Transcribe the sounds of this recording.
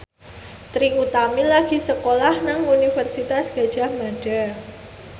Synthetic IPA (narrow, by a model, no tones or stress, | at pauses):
t̪ɾiut̪amilaɡ̥i̤səkolahnaŋunifərsit̪asɡ̥a̤d̥ʒ̥a̤hmaɖ̥a